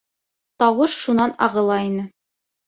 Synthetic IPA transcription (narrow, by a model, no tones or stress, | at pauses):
t̪ɑwɤʃʃunɑnɑ̰ʁɤ̆lˠɑinɘ